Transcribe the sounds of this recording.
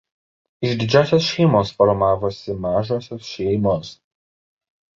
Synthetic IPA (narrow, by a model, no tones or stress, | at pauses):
ɪʒd̪ʲɪd͡ʒʲæːsʲoːsʃʲɛɪmoːsfɔɾmɑːʋoːsʲɪmɑːʒoːsʲoːsʃʲɛɪmoːs